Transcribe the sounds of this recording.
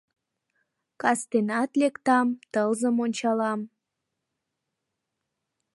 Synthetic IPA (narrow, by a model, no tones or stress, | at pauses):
kɑst̪enɑt̪lekt̪ɑmt̪əlzə̆monʲt͡ɕɑlɑm